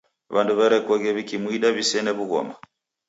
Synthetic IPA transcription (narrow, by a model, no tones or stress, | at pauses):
βanduβɛɾɛkɔɣɛβikimuiɗaβisɛnɛβuɣɔ̰ma